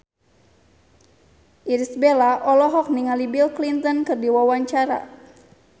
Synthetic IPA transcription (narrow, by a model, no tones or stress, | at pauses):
ʔiɾisbelaʔɔlɔɦɔk̚niŋalibilklint̪ɔnkɨrdiwawaɲt͡ʃaɾa̰